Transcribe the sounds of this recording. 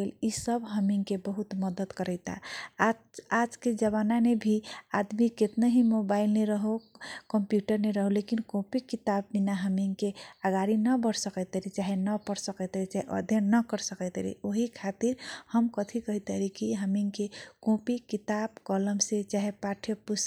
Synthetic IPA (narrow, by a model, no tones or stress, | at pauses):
elisəbɦəmiŋkebəɦut̪məd̪əd̪kəɾəɪt̪a̰ | ad͡ʒked͡ʒəβananebʱiad̪miket̪naɦimobailneɾəɦokəmpjuʈəɾneɾəɦolekinkõpikit̪abbinaɦəmiŋkeaɡaɾinəbəɽsəkət̪əɾit͡ʃaɦenəpəɾsəkət̪eɾit͡ʃaɦeʔə̰d̪ʱjənːəkəɾsəkət̪ɾḭoɦikʰat̪iɾhəmkət̪ʰikəɦit̪əɾikiɦəmiŋkekõpikit̪abkɔləmset͡ʃaɦepaʈʰjəpus